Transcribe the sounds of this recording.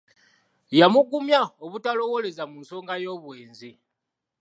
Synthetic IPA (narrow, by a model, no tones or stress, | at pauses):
jamuɡumjaoβutalo̞wole̞zamunso̞ːŋɡajo̞ːβweːnzi